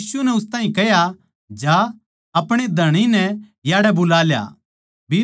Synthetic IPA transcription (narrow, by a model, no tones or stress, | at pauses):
sunɛʊst̪ãːĩkɛɦja | d͡ʒa | ɐpɽ̃ed̪ʱɐɽ̃inɛ | jaːɽɛbʊlaːlja̰ː | bi